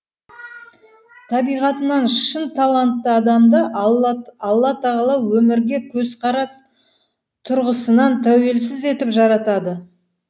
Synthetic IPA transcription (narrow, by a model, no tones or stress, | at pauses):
t̪ʰɑbijʁɑt̪ənɑnʃʃənt̪ʰɑlˠɑnt̪ːəɑd̪ɑmd̪ə | ɑlˠːɑt̪ʰɑʁɑlˠɑwwɵmɪɾɡʲe̞kʲʰɵzqʰɑɾɑs | t̪ʰʊɾʁəsənɑnt̪ʰæwe̞lsɪze̞t̪ɪpʒɑɾɑt̪ɑd̪ə